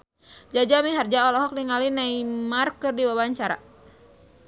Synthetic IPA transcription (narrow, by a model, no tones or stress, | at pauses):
d͡ʒad͡ʒamiɦard͡ʒaɔlɔɦɔk̚niŋalinaimarkɨrdiwabaɲt͡ʃaɾa̰